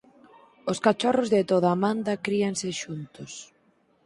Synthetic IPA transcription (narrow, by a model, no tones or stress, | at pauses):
ʊskat͡ʃɔrʊzðɪt̪oðaːmãnd̪ɐkɾiɐŋsɪʃunt̪ʊs